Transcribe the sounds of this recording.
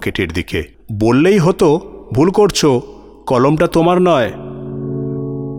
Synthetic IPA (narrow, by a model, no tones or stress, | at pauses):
keʈeɾd̪ikḛ | bolːejɦot̪obʱulkoɾt͡ɕʰo | kɔlomʈat̪omaɾnɔe